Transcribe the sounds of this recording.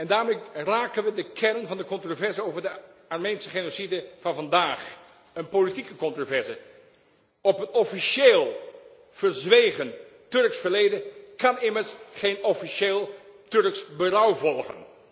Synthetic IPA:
ɛndaːɹmeraːkənʋədəkʰɛrənvɑndəkɔntrovɛɹzəowvəɹdəɑɹmejnsəχenosidəv̥ɑnvɑndaːχ | ənpolitikəkɔntrovɛɹzə | ɔpənɔfiʃeːlˠ | v̥ərzʋejχəntɵrksfəɹlejdəkɑnɪməɹsχejnɔfiʃeːlˠtɵɹksbərʌwvɔlˠχə̰n

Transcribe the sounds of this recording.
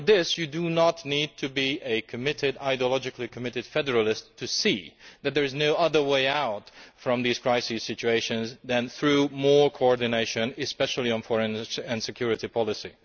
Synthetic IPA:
t̚ðɪsjɨdunətⁿnid̚tʰɨbiʔɨkʰɨmɪɾɪdaɪdiəlɑd͡ʒɨklikʰəmɪɾɨd̥fɛdə˞əlˠɪstʰːɨsiðɨt̪̚ðə˞ɨznoʊʔʌðə˞weɪaʊtfɹʌ̃mðiz̥kʰɹ̥aɪsiz̥sɪt͡ʃʉeɪʃɨ̃nzðɨ̃nθɹʉmɔɹkʰoɔɹdɨneɪʃɨ̃nɨspɛʃl̩ˠiɨ̃nfɔɹɨ̃nɨ̃nsɨkʰj̥ʊɹɨɾipʰɑlˠɨsḭ

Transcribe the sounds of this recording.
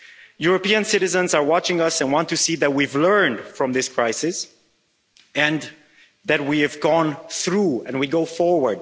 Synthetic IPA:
juɹəpiɨ̃nsɪɾɨzə̃nzə˞wɑt͡ʃɪ̃ŋʌsɨ̃nwɑ̃ntɨsiðɨt̚wivlɜ̃˞nd̥fɹʌ̃mðɪskʰɹ̥aɪsɪs | ɨ̃n | ðɨt̚wiɨvɡɔ̃nθɹuɛ̰̃nwiɡoʊfɔɹwə˞d̚

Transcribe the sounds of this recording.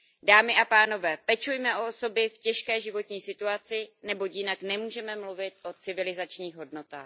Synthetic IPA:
daːmɪʔapaːno̞vɛːpɛt͡ʃujmɛʔooso̞bɪfcɛʃkɛːʒɪvo̞t̪ɲiːsɪt̪uat͡sɪnɛbo̞cjɪnaknɛmuːʒɛmɛmluvɪt̪ʔo̞t͡sɪvɪlɪzat͡ʃɲiːɣɦo̞dno̞t̪a̰ːx

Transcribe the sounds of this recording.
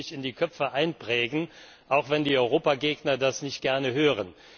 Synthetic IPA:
ɪçɪndiːkʰœp͡fəʔaɪnpʁ̥ɛːɡn̩ | ʔaʊxv̥ɛndiːɔʏʁoːpaɡeːɡnɐdasnɪçt̚ɡ̥ɛɐnəɦøːʁ̞ən

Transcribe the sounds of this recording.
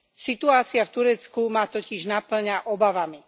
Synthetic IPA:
sit̪uaːt͡siaft̪uɾɛt͡skumaːt̪ɔciʒnapl̩ɲaʔɔbaʋami

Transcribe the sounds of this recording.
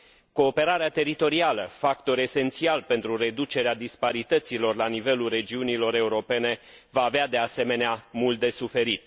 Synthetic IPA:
ko̞ːpe̞ɾaɾeat̪e̞ɾit̪o̞ɾialəfakt̪o̞ɾe̞se̞nt̪sialpe̞nt̪ɾure̞d̪ut͡ʃe̞ɾead̪ispaɾit̪ət̪silo̞rlanive̞lulre̞d͡ʒiunilo̞ɾe̞uɾo̞pe̞ne̞ | vaːvead̪e̞ase̞me̞neamult̪̚d̪e̞sufe̞ɾit̪̚

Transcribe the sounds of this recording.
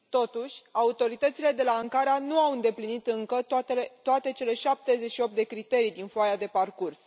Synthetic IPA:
t̪o̞t̪uʃʲaut̪o̞ɾit̪ət̪sile̞d̪e̞laːŋkaɾeanuawɨnd̪e̞plinit̪ɨŋkət̪t̪eet̪oat̪e̞t͡ʃe̞le̞ʃap̚t̪e̞zet͡ʃʃio̞p̚t̪d̪e̞kɾit̪e̞ɾijd̪infoajad̪e̞parkurs

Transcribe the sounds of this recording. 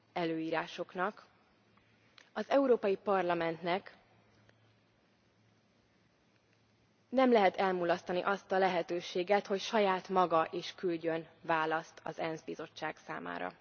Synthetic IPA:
ɛløːiːɾaːʃo̞knɒk | ɒzɛuɾoːpɒjipɒrlɒmɛnt̪nɛk | nɛmlɛɦɛt̪ɛlmulɒst̪ɒnḭʔɒst̪ɒlɛɦɛt̪øːʃeːɡɛt̪ho̞cʃɒjaːt̪mɒɡɒʔeːʃkylɟø̞nvaːlɒst̪ʰɒ̰zɛnzbizo̞t͡ʃːaːksa̰ːma̰ːɾɒ̰

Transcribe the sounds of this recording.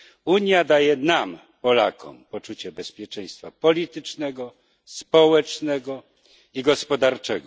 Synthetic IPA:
uɲjad̪ajɛnam | pɔla̰kʰɔ̰mpɔt͡ʂut͡ɕɛbɛspʲjɛt͡ʂɛj̃st̪fapɔlʲit̪ɘt͡ʂnɛɡɔ | spɔwɛt͡ʂnɛɡɔ | iɡɔspɔd̪aɾt͡ʂɛɡɔ

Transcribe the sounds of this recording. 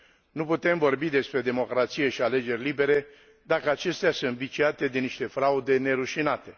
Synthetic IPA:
nuput̪e̞mvo̞rbid̪e̞spɾe̞d̪e̞mo̞kɾat̪sije̞ʃiale̞d͡ʒe̞rʲlibe̞ɾe̞ | d̪akəat͡ʃe̞st̪easɨnt̪vit͡ʃiat̪e̞d̪e̞niʃt̪e̞fɾaud̪e̞ne̞ɾuʃinat̪e̞

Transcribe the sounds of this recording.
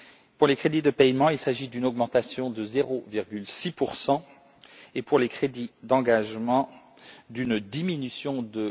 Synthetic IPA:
puʁlekχed̪id̪əpɛjmɑ̃ilsaʒid̪ynɔɡmɑ̃t̪asjɔ̃d̪əzeʁoviʁɡʲylsipuʁsɑ̃ | epuʁlekχed̪id̪ɑ̃ɡaʒmɑ̃ | d̪ynd̪iminysjɔ̃d̪ə

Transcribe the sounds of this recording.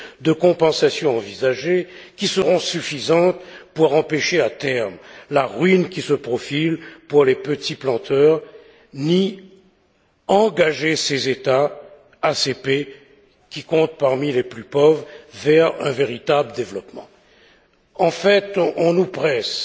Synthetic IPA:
d̪əkɔ̃pɑ̃sasjɔ̃ɑ̃vizaʒekʲisəʁɔ̃syfizɑ̃t̪puʁɑ̃peʃeat̪ɛʁmlaʁɥinkʲisəpχɔfilpuʁlepət̪iplɑ̃t̪ʰœʁ | ni | ɑ̃ɡaʒesezet̪aː | sepe | kʲikɔ̃t̪̚paʁmileplypovʁvɛʁɛ̰̃veʁit̪abləd̪evlɔpmɑ̰̃ | ɑ̃fɛt̪ʔɔ̃nupχɛs

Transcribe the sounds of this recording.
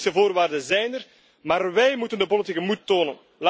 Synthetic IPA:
səvoːrʋaːrdənzɛjnər | maːrʋɛjmutəndəpolitikəmutːoːnən | la

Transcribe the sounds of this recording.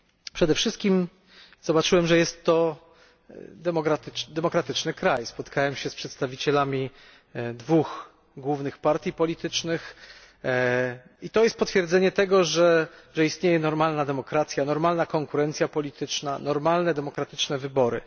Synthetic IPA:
pʂɛd̪ɛfʂɘst̪kʲim | z̥ɔbat͡ʂɘwɛmʐɛjɛst̪ːɔ | d̪ɛmɔkɾat̪d̪ɛmɔkɾat̪ɘt͡ʂnɘkɾajspɔt̪kawɛmɕɛspʂɛt̪st̪avʲit͡ɕɛlamʲi | d̪vux | ɡwuvnɘxpaɾt̪ʲjipɔlʲit̪ɘt͡ʂnɘx | it̪ɔjɛst̪̚pɔt̪fʲjɛɾd̪zɛɲɛt̪ɛɡɔʐɛʐɛist̪ɲejɛnɔɾmalnad̪ɛmɔkɾat̪sʲjanɔɾmalnakɔŋkuɾɛnt̪sʲjapɔlʲit̪ɘt͡ʂna̰nɔɾmalnɛd̪ɛmɔkɾat̪ɘt͡ʂnɛvɘbɔɾɘ̰

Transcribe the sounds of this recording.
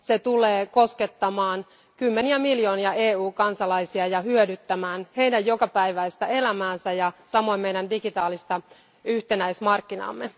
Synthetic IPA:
set̪uleːko̞sket̪ːɑmɑːn | kymːeniæmiljo̞ːniɑʔeːuːkɑnsɑlɑisiɑjɑhyødyt̪ːæmæːnhe̞jdæjjokɑpæiʋæist̪æe̞læmæːnsæjɑsɑmo̞immeidændiɡit̪ɑːlist̪ɑ | yht̪enæismɑrkːinɑ̰ːmːe

